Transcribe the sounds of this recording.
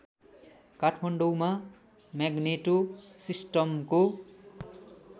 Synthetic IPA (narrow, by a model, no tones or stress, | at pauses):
kaʈʰmʌɳɖowma | maɡneʈosisʈʌmko